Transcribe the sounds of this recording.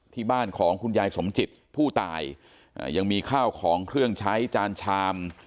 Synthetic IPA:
t̪ʰiː˥˩baː˥˩nkʰɔː˩˦ŋkʰu˧njaː˧jso˩˦mt͡ɕi˨˩t̪̚pʰuː˥˩t̪a̰ː˧˩j | ʔja˧ŋmiː˧kʰaː˥˩wkʰɔː˩˦ŋkʰɾɯ˥˩əŋt͡ɕʰa˦˥jt͡ɕaː˧nt͡ɕʰaː˧m

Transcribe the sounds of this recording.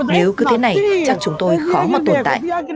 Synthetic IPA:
ne˨˦wkɨ˨˦t̪ʰe˨˦na˨˩jt͡ɕa˦˥k̚t͡ɕʊ˨˦ŋ͡mt̪o˧jxɔ˨˦mɔ˨˩t̚t̪o˨˩nt̪a̰ː˧˨ʔ

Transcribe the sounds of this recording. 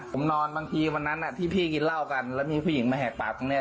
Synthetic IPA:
o˩˦mnɔː˧nbaː˧ŋt̪ʰiː˧wa˧nːa˦˥nʔa˨˩t̪ʰiː˥˩pʰiː˥˩ki˧nla˥˩wka˧nlɛ˦˥˩wmiː˧pʰu˥˩ji˩˦ŋmaː˧ɦɛː˨˩k̚k͡paː˨˩p̚k̪ʰo˧ŋni˦˥˩ɐ

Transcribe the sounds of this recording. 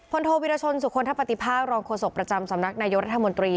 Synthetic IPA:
pʰo˧nt̪ʰoː˧wi˧ɾaː˧t͡ɕʰo˧nsu˨˩kʰo˧nt̪ʰa˦˥pːa˧t̪i˨˩pʰaː˥˩k̚ɾɔː˧ŋkʰoː˧so˨˩k̚pɾa˧t͡ɕa˧msa˨˩˦mna˦˥k̚naː˧jo˦˥k̚ɾa˦˥t̪ʰa˧mo˧nt̪ɾiː˧

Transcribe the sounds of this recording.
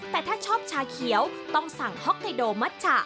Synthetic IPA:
t̪ɛː˨˩t̪ʰaː˥˩t͡ɕʰɔː˥˩p̚t͡ɕʰaː˧kʰi˩˦wt̪ɔ˥˩ŋsa˨˩ŋhɔ˦˥k̚t̪a˧doː˧ma˦˥t̪̚t͡ɕʰa˧˩

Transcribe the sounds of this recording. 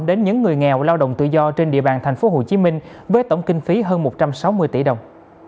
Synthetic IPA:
ɗe˨˦nɲɨ̰˧˥ŋːɨ˨˩əjŋɛ˨˩wlaː˧wɗə̰˧˨wŋ͡mt̪ɨ̰˧˨zɔ˧t͡ɕe˧nɗḭ˧˨əɓaː˨˩nt̪ʰa˨˩ŋ̟fo˨˦ɦo˨˩t͡ɕi˨˦mï˧ŋ̟ | vəː˨˦jt̪ə˧˩wŋ͡mkï˧ŋ̟fi˨˦ɦəː˧nmo˨˩t̚t͡ɕa˧msa˨˦wmɨ˧əjt̪ḭ˧˩ɗə˨˩wŋ͡m

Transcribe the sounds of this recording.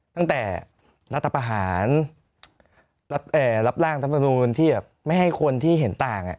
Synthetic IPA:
t̪a˥˩ŋt̪ɛː˨˩ | ɾa˦˥t̪ʰːa˧pɾa˧ɦaː˩˦n | ɾa˦˥t̪̚ʔɤː˨˩ɾa˦˥p̚ɾaː˥˩ŋt̪ʰa˦˥pːma˧nuː˧nt̪ʰiː˥˩bɛː˨˩p̚ma˥˩jɦa˥˩jkʰo˧nt̪ʰiː˥˩ɦe˩˦nt̪aː˨˩ŋʔa̰˨˩ʔ

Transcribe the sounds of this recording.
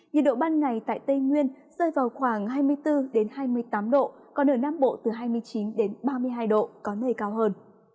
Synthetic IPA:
ɲɨ˨nɗo̰˧˨ɓaː˧nŋa˨˩jt̪a̰ː˧˨jt̪ə˧jŋwi˧ən | z̥əː˧jvaː˨˩wxwaː˧˩ŋɦaː˧jmɨ˧əjt̪ɨ˧ɗe˨˦nhaː˧jmɨ˧əjt̪aː˨˦mɗo̰˧˨ | kɔ˨˦nəː˧˩na˧mɓo̰˧˨t̪ɨ˨˩ɦaː˧jmɨ˧əjt͡ɕi˨˦nɗe˨˦nɓaː˧mɨ˧əjɦaː˧jɗo̰˧˨kɔ˨˦nəː˨˩jkaː˧wɦəː˧n

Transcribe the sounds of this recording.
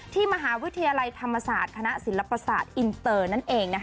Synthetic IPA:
t̪ʰiː˥˩ma˧ɦaː˩˦wi˦˥t̪ʰːa˧jaː˧la˧jt̪ʰa˧mːa˧saː˨˩t̪̚kʰa˧na˦˥ʔsi˩˦nla˧pa˧saː˨˩t̪̚ʔi˧nt̪ɤː˧na˥˩nʔeː˧ŋna˦˥

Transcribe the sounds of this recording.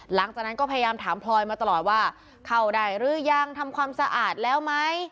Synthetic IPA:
la˩˦ŋt͡ɕaː˨˩k̚na˦˥nkɔ˥˩pʰja˧jaː˧mt̪ʰaː˩˦mpʰlɔː˧jmaː˧t̪a˧lɔː˨˩t̪̚waː˥˩ | kʰa˥˩wdaː˥˩jɾɯː˥˩ja˧˩ŋt̪ʰa˧mkʰwaː˧msa˧ʔaː˨˩t̪̚lɛː˦˥wma˦˥j

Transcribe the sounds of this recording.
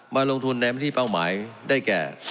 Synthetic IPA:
maː˧lo˧ŋt̪ʰu˧nːa˧ma˥˩t̪ʰiː˥˩pa˥˩wmaː˩˦jdaː˥˩jkɛ̰ː˨˩

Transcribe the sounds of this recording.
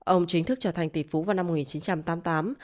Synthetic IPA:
ʔə˧wŋ͡mt͡ɕï˨˦ŋ̟t̪ʰɨ˦˥k̚t͡ɕəː˧˩t̪ʰa˨˩jŋ̟t̪ḭ˧˩fu˨˦vaː˨˩wna˧m̚ː˨˩ŋi˨˩nt͡ɕi˨˦nt͡ɕa˧mt̪aː˨˦mt̪aː˨˦m

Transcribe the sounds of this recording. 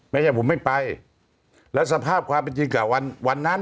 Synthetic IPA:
ma˥˩˨t͡ɕʰa˥˩pʰo˨˩˦ma˥˩jpa˧j | lɛ˦˥ʔsa˧pʰaː˥˩p̚kʰwaː˧mpe˧nt͡ɕi˧ŋkaː˨˩wa˧nwa˧nːa˦˥

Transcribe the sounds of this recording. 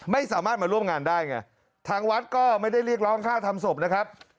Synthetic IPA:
ma˥˩jsaː˩˦maː˥˩t̪̚maː˧ɾu˥˩əmŋaː˧ndaː˥˩jŋa˥˩ | t̪ʰaː˦˧˥ŋwa˦˥t̪̚kɔː˥˩ma˥˩jda˥˩jɾi˥˩ək̚ɾɔː˦˥ŋkʰaː˥˩t̪ʰa˧mso˨˩p̚na˦˥kʰɾa˦˥p̚

